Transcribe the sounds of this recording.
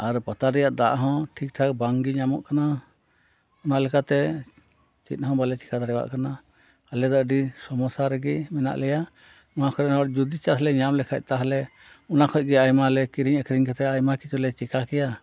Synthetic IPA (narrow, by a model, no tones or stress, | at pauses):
aɾpat̪aɾɛjaʔd̪aʔɦɔ̃ʈʰik̚ʈʰak̚baŋɡiɲamɔ̰ʔkana | ɔnalɛkat̪ɛ | t͡ʃḭt̪̚ˀɦɔ̃balɛt͡ʃi̥kʰad̪aɽɛwa̰ʔkana | alɛd̪ɔʔɖisɔmɔsaɾɛɡɛmɛna̰ʔlɛja | ɔnakʰɔɾɛnɔɾd͡ʒud̪it͡ʃalɛɲamlɛkʰa̰c̚ˀt̪aɦalɛ | ɔnakʰɔc̚ˀɡɛajmalɛkiɾiɲəkʰɾiɲkɛt̪ɛajmakit͡ʃulɛt͡ʃikʰakɛja